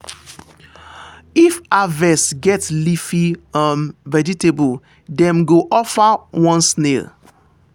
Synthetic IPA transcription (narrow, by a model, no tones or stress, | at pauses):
ifavɛsɡɛtlifiãmvɛd͡ʒitebul | dɛ̃mɡoʔɔfawɔ̃nsnel